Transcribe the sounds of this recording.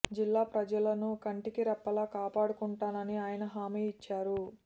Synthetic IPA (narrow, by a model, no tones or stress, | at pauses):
d͡ʒilːaːpɾɐd͡ʒɐlɐnukɐɳʈikiɾɛpːɐlaːkaːpaːɽukuɳʈaːnɐniaːjɐnɐɦaːmiːit͡ʃːaːɾu